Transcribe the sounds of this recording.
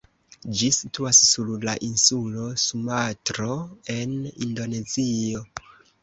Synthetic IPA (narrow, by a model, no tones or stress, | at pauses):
d͡ʒisitʰuasːuɾlaʔinsulo̞sumatɾoe̞nḭndo̞ne̞zio̞